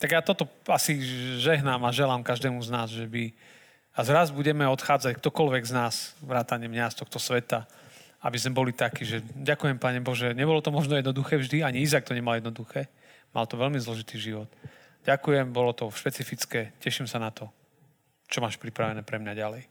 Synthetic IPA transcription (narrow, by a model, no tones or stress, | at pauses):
t̪aɡjaːt̪ɔt̪ɔasiʒɛɦnamaʒɛlaːmkaʒd̪ɛːmuznaːzʒɛbi | azɾazbuɟɛmɛɔt̪xaːd͡zackt̪ɔkɔlʋɛɡznaːz̥ʋɾaːt̪aɲɪɛmɲast̪ɔxt̪ɔsʋɛt̪a | a̰bizmɛbɔlit̪akiːʒɛɟakujɛmpaɲɛbɔʒɛɲɛbɔlɔt̪ɔmɔʒnɔjɛd̪nɔd̪uxɛːvʒd̪iaɲiizak̚t̪ɔɲɛmaljɛd̪nɔd̪uxɛː | ma̰lt̪ɔʋɛlmizlɔʒit̪iːʒiʋɔt̪ | ɟakujɛmbɔlɔt̪ɔʃpɛt͡sifit͡skɛːcɛʃimsanat̪ɔ | t͡ʃɔmaːʃpɾipɾaʋɛnɛːpɾɛmɲaɟalɛj